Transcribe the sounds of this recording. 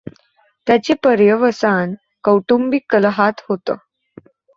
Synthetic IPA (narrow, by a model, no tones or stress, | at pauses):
t̪jat͡ɕepəɾjəʋəsan | kəwʈumbikələɦat̪ɦot̪ə